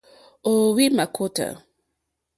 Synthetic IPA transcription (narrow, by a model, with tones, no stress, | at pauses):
o˨wi˦ma˨kʰo˦tə̰˨